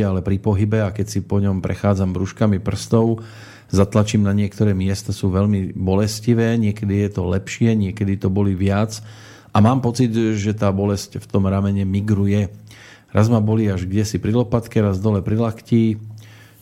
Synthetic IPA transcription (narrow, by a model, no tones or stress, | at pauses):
alɛpɾipɔɦibɛakɛcsipɔɲɔmpɾɛ̰xaːd͡zamɾuʃkamipr̩st̪ɔʊ | zat̪lat͡ʃiːmnaɲɪɛkt̪ɔɾɛːmɪɛst̪asuːʋɛʎmibɔlɛsciʋɛːɲɪɛkɛd̪ijɛt̪ɔlɛpʃɪɛɲɪɛkɛd̪it̪ɔbɔliʋɪat͡s | ʔamaːmpɔt͡sid̪ʒɛt̪aːbɔlɛscft̪ɔmɾamɛɲɛmiɡɾujɛ | ɾazmabɔliːaʒɡɟɛsipɾilɔpat̪kɛɾazd̪ɔlɛpɾilaxciː